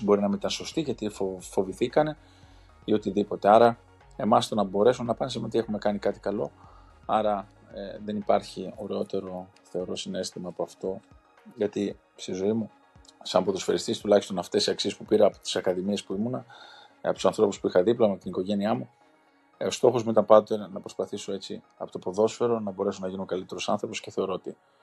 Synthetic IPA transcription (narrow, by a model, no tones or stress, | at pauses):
bo̞ɾinɐminit̪ɐnso̞st̪iʝɐt̪iffo̞viθikɐne̞ | iot̪iðipo̞t̪e̞ɐɾɐ | e̞mɐst̪onɐbo̞ɾe̞sunɐpɐns̬imeo̞t̪ie̞xume̞kɐnikɐt̪i̥kɐlo̞ | ɐɾɐ | ðe̞nipɐɾçio̞ɾe̞o̞t̪e̞ɾo̞ | θe̞o̞ɾo̞sine̞st̪imɐːpo̞ɐft̪o̞ | ʝɐt̪i | st̪izo̞imu | sɐmpoðosfeɾist̪isi̥t̪ulɐçist̪o̞nɐft̪e̞siɐksie̞spupiɾɐːpo̥t̪i̥sɐkɐðimie̞spuimunɐ | ɐ̰ot̪u̥sɐnθɾo̞puspuixɐðiplɐmet̪iniko̞ʝe̞niɐmu | o̞st̪o̞xo̞zmuit̪ɐmpɐnd̪ot̪enɐpɾo̞spɐθiso̞e̞t͡sḭ | ɐ̰po̞t̪opo̞ðo̞sfe̞ɾo̞nɐbo̞ɾe̞sonɐʝinuŋkɐlit̪e̞ɾosɐ̰nθɾo̞po̞sce̞θe̞o̞ɾo̞ot̪i